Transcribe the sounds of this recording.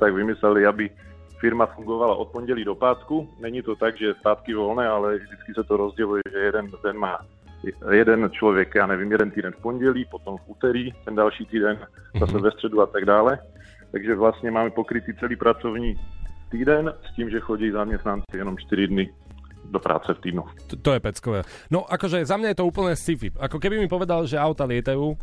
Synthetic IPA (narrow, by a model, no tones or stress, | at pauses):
t̪aɡvɪmɪslɛlɪabɪ | fɪɾmafuŋɡo̞vala̰ʔo̞t̪̚poɲɟɛliːdo̞paːt̪kunɛɲit̪ot̪aɡʒɛspaːt̪kɪvo̞lnɛːalɛvdɪt͡skɪsɛt̪oɾozɟɛlujɛʒɛjɛdɛnd̪ɛnmaː | jɛdɛnt͡ʃlovjɛkjaːnɛvimjɛdɛnt̪iːdɛnfpo̞ɲɟɛliːpot̪o̞mfuːt̪ɛɾiːt̪ɛndalʃiːt̪iːdɛnzasɛvɛst̪r̥ɛduat̪aɡdaːlɛ | t̪aɡʒɛvlast̪ɲɛmaːmɛpokɾit̪iːt͡sɛliːpɾat͡sovɲiːt̪iːdɛnsciːmʒɛxoɟiizamɲɛst̪nant͡sijɛnɔmt͡ʃt̪iɾid̪nɪ | d̪opɾa̰ːt͡sɛft̪iːd̪nu | t̪ɔjɛpɛt͡skɔʋɛ | nɔʔakɔʒɛzamɲajɛt̪ɔuːpl̩ɲɛːsifipakɔkɛbimipɔʋɛd̪alʒɛawt̪alɪɛt̪ajuː